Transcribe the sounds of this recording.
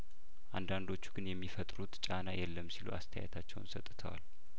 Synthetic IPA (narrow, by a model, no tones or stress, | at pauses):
ʔand̪and̪o̞t͡ʃːu̥ɡɨnjɛmːifət̪ʼɾut̪t͡ʃʼanajɛlːəmːsiluʔa̰st̪ʰəja̰jɛt̪ʰat͡ʃːɛ̰w̰nsət̪ʼːt̪ʰəwa̰l